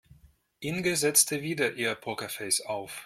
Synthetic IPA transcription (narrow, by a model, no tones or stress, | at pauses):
ʔɪnɡəzɛt͡stʰəviːdɐʔiːɐpʰokɐfɛɪsaʊf